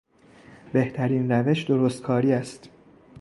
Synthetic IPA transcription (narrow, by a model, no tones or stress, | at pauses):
be̞ht̪ʰæɾiːnræve̞ʃd̪o̞ɾost̪̚kʰɒːɾiːæst̪